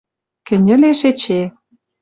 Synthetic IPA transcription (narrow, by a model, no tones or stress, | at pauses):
kɘ̆nʲɘ̆leʃet͡ɕe